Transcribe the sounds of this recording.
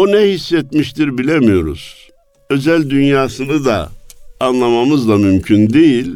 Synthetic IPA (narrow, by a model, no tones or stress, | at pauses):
onɛhisːɛt̪miʃt̪ʰiɾbilʲemijo̞ɾṵz̥ | ø̞zælʲd̪ynjaːsɯnɯd̪a̰ː | nlˠamamɯzlˠamymcʰynd̪ejilʲ